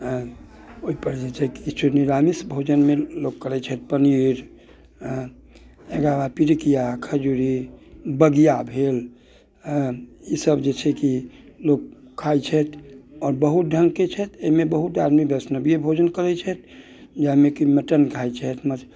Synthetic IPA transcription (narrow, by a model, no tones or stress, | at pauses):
oɦipəɾd͡ʒet͡ʃʰɛkit͡ʃuniɾamisbʱod͡ʒənmelokːəɾɛt͡ʃʰɛt̪̚pəniɾ̃ | eɡabapiɾikijakʰəd͡ʒuɾibəɡijabʱel | isəbd͡ʒet͡ʃʰɛkilok̚ | kʰajt͡ʃʰɛt̪ɔɾbəɦut̪̚ɖʱəŋɡket͡ʃʰɛt̪eimebəɦut̪aɾmibʱəsnəbijebʱod͡ʒənkəɾɛt͡ʃʰɛt̪ | d͡ʒaimekiməʈənkʰajt͡ʃʰɛt̪mət͡ʃ